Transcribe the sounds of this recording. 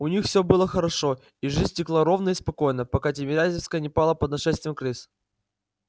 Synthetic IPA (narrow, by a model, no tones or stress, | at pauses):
ʊnʲixfsʲɵbɨlˠəxəɾɐʂo̞ | iʐɨzʲtʲɪklˠaɾo̞vnəispɐko̞jnəpɐkat̬ʲɪmʲɪɾʲazʲɪfskəjənʲɪpalˠəpəd̪nɐʂɛst̪vʲɪjɪmkɾɨs